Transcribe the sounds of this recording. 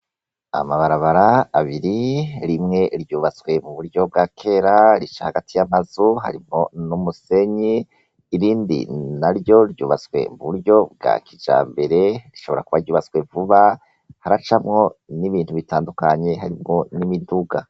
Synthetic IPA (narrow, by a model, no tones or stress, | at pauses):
a̰maβaɾaβaɾaːβiɾiɾimŋe̞ɾjuːβat͡swe̞muβuɾjo̞b̚ɡakʰe̞ɾaɾit͡ʃahaɡatʰijamazuha̰ɾimŋo̞numuse̞ɲiː | ɾiːndḭnaɾjo̞ɾjṵːβat͡swe̞̰muβuɾɟo̞b̚ɡa̰kʰid͡ʒa̰ːmbe̞ɾe̞ɾiʃo̞βo̞ɾakuβaɾjuːβat͡swe̞vuβa | haɾat͡ʃamŋo̞niβiːn̥huβitaːndukaɲe̞ɦaɾimŋo̞nimiduɡa